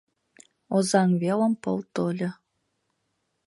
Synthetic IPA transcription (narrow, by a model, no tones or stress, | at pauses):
ozɑŋβelə̆mpɤ̰̆lˠt̪olʲɤ̆